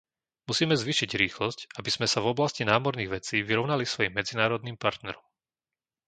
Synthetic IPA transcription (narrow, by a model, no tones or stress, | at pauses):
musiːmɛzʋiːʃiɟɾiːxlɔscabiz̥mɛsavɔblascinaːmɔɾniːɣʋɛt͡siːʋiɾɔʊnalisʋɔjimːɛd͡zinaːɾɔd̪niːmpaɾt̪nɛɾɔm